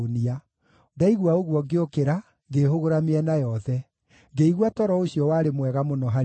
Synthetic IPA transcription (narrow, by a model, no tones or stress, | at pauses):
nia | daiɣwaoɣwɔɡeokeɾa | ɡeɦoɣoɾameɛnajɔðɛ | ɡeiɣwatɔɾɔoɕijɔwaːɾemwɛɣamonɔɦa